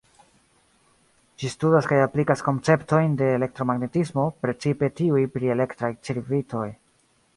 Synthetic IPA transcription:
d͡ʒistudaskajaplikasko̞nt͡se̞pto̞jnde̞ːle̞k̚tɾo̞maɡne̞tismo̞pɾe̞t͡sipe̞tiujpɾie̞le̞ktɾajt͡siɾvitʰo̞j

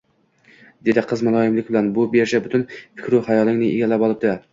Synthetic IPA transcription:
d̪ed̪ɪqʰːəzmɑlˠɑːjɪmlɪkʲbɪlɛnbubeɾʃɛbut̪ʰynfɪ̥kʲʰɾuχɑjɑlˠɨŋnɨʔeɡʲɛlːæpɑlˠɨp̚d̪ʰɨ

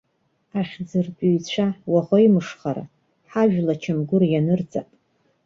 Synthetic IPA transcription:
aχʲd͡zɨrpʼujt͡ɕʷʰawaʁoimɨʂχaɾa̰ | ħaʒᶣlat͡ʃʰamɡʷʊrjanɨrd͡zapʼ

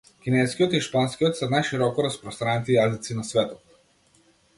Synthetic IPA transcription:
kʲinɛskijɔt̪iʃpanskijɔt̪sɛnajʃiɾɔkɔɾaspɾɔst̪ɾanit̪ijazit̪sinasvɛt̪ɔt̪

